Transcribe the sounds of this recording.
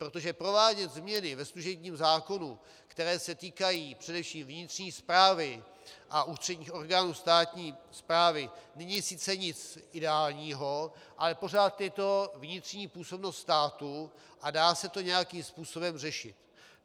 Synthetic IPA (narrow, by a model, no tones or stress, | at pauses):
pɾot̪oʒɛpɾo̞vaːɟɛt̪zmɲɛnɪvɛsluʒɛbɲiːmzaːko̞nu | kt̪ɛɾɛːsɛt̪iːkajiːpr̝̥ɛdɛfʃiːmvɲɪt̪rɲiːspɾaːvɪ | ʔaʔust̪r̥ɛdɲiːxo̞ɾɡaːnuːst̪aːt̪ɲiːspɾaːvɪnɛɲɪsɪt͡sɛɲɪt͡sʔɪdɛaːlɲiːɦo̞ | ʔalɛpo̞rat̪jɛt̪o̞vɲɪt̪r̥ɲiːpuːso̞bnost̪st̪aːt̪u | ʔadaːsɛt̪o̞ɲɛjakiːmspuːso̞bɛmrɛʃɪt̪